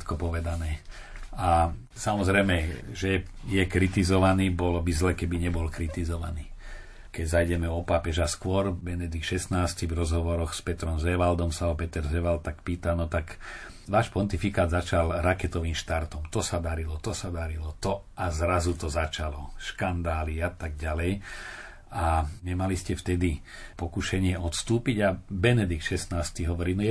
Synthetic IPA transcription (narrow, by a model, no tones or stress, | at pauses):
t̪kɔpɔʋɛd̪anɛː | a | samɔzɾɛjmɛʒɛjɛkɾit̪izɔʋaniːbɔlɔbizlɛːkɛbiɲɛbɔlkɾit̪izɔʋa̰niː | kɛɟzajɟɛmɛɔpapɛʒaskwɔɾbɛnɛd̪ik̚t̪ʃɛsnaːscivɾɔzɦɔʋɔɾɔɣspɛt̪ɾɔmzɛʋald̪ɔmsaɔpɛt̪ɛɾzɛʋalt̪̚t̪akpiːt̪anɔt̪akʋaːʃpɔnt̪ifikaːd̪zat͡ʃalɾakɛt̪ɔʋiːmʃt̪aɾt̪ɔmt̪ɔsad̪aɾilɔt̪ɔsad̪aɾilɔt̪ɔʔazɾazut̪ɔzat͡ʃalɔʃkand̪aːliat̪aɡ̚ɟalɛj | aɲɛmaliscɛft̪ɛd̪i | pɔkuʃɛɲɪɛɔt̪st̪uːpiɟabɛnɛd̪ik̚t̪ʃɛsnaːst̪iɦɔʋɔɾiːnɔjɛ